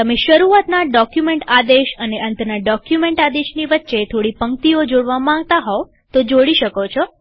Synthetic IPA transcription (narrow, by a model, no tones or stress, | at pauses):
t̪əmeʃəɾuat̪naɖɔkjumẽɳʈad̪eʃəneʔənt̪ənaɖɔkjumẽɳʈad̪eʃniʋətːʃet̪ʰoɽipəŋkt̪iod͡ʒoɽʋamãŋɡt̪aɦɔ | t̪od͡ʒoɽiʃəkot͡ʃʰɔ